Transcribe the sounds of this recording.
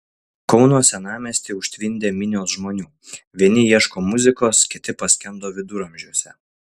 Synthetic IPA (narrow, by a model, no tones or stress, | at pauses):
kɔʊnuɔsʲɛnɑːmʲɛːsʲt̪ʲiːʊʃʲt̪ʲʋʲɪnʲd̪ʲeːmʲɪnʲoːsʒmoːnʲuː | ʋʲiɛnʲɪjiɛʃkoːmʊzʲɪkoːskʲɪt̪ʲɪpɐsʲkʲɛnd̪oːʋʲɪd̪ʊɾɐmʲʒʲɛʊsʲɛ